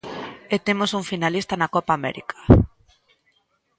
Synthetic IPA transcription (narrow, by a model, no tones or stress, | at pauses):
et̪emosuŋfinalist̪anakɔpaːmɛ̰ɾḭkʰḁ